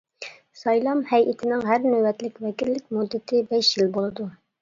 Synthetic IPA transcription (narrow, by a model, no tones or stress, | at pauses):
sɑjlˠɑmhɛjʔɪt̪ʰɪnɪŋɦæɾnøwɛt̪lɪkʲvɛkʲilːɪk̚ʲmud̪ːɪt̪ʰɪbɛʃjilbolˠɨd̪u